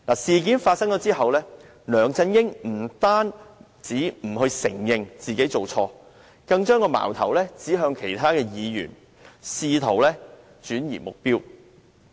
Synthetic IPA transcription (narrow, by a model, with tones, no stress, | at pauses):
laː˨˩siː˨k̬iː˨˥nfaː˧t̚sɐ˥ŋt͡ʃɔː˨˥t͡siː˥hɐ˨wlɛː˥ | lœː˨˩ŋt͡sɐ˧njɪ˥ŋm̩˨˩t̪aː˥n | t͡siː˨˥m̩˨˩ɦɵ˧ɥsɪ˨˩ŋjɪ˨ŋt͡siː˨ke˨˥jt͡so˨wt͡ʃʰɔː˧ | kɐ˧ŋt͡ʃœː˥ŋkɔː˧ma̰ː˨˩wt̪ʰɐ˨˩wlɛː˥t͡siː˨˥ɦœː˧ŋkʰe˨˩jt̪ʰaː˥kɛː˧jiː˨˧jy̰ː˨˩n | siː˧t̪ʰo˨˩wlɛː˥ | t͡ʃyː˨˥njḭː˨˩mʊ˨k̚piː˥w